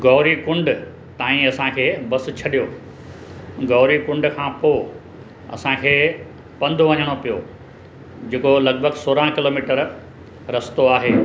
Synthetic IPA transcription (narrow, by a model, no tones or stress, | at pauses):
ɡɔːɾikʊ̃ɳɖ | t̪aːĩɐsãkʰeːbɐsɪ̆t͡ɕʰɐɗijo | ɡɔːɾikʊ̃ɳɖkʰãːpoː | ɐ̰sãkʰeː | pɐ̃nd̪ʱʋɐ̃ɲəɽ̃opijo | d͡ʑeːkolɐɡ̚bʱəɡsoːɾãkɪloːmiːʈəɾ | ɾɐst̪oaːɦeː